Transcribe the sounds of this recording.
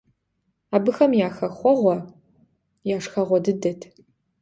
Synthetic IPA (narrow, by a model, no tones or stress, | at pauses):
aːbɨxɐmjaːxɐχʷɔʁʷɔ | jaːʂxɐʁʷɔdɨdɐtʰ